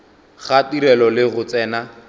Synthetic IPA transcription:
χatiɾɛlɔlɪɣʊt͡sɛːna

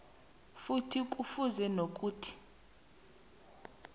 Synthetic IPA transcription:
futʰik̬ʼufuzɛnok̬ʼuːtʰi̥

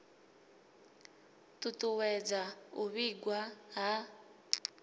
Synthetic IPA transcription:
tʼutʼuwɛd͡zauβiɡwaɦa

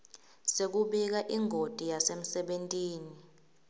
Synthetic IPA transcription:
sek̬uɓɛk̬aʔiŋʱod̥ʱʼijasem̩sɛɓentʼiːni

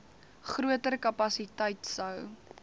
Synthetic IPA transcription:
χruətəɾkɐpɐsitəjtsəw

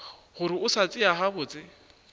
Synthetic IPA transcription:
hʊɾɪʊsat͡sʼɪaɦabʊːt͡sʼɪ

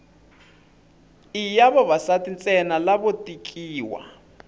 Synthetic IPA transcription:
ijaβɔβasatint͡sʼɛnalaβotʼikʼiːwa̰

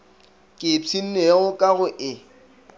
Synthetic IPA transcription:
kʼɪt͡sʰin̩neɣʊkʼaɣʊʔɪ

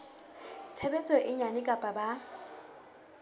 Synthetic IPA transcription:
t͡sʰɛbɛt͡sʼɔʔɪɲanɪkʼapʼaba

